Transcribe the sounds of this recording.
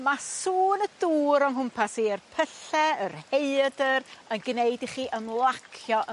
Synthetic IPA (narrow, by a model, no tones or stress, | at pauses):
masuːnəduːɾɔŋɦʊmpʰasiːərpʰəɬɛərheɨdərənɡneɨdiχiːʔəmlˠakʰjɔʔə